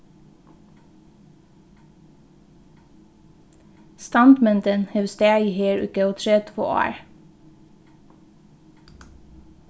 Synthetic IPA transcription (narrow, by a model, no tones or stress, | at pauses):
st̪ɑnd̪mɛnt̪ənhɛʋst̪ɛæiheːɹʉ̰kəoːt̪ʰɾɛt̪ʰfo̰ːɑ̰ːɹ